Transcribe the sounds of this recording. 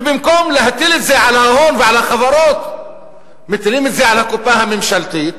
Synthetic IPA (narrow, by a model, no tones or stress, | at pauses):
bɪmkomlaɦat̪ɪlɪt̪zajʕalahoːnvɪʕalaxɑbɑɾˤɑːt̪ | mɪt̪liːmɪt̪zajʕalakʊpːahamɪmʃalt̪iːt̪̚